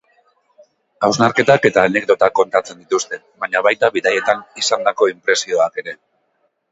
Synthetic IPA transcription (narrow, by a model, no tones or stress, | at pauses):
awznaɾke̞t̪ake̞t̪aːne̞k̚d̪o̞t̪akːo̞nt̪at͡se̞nd̪it̪ust̪e̞ | βaɲaβajt̪aβiðaje̞t̪anisand̪ako̞impɾe̞sio̞ake̞ɾe̞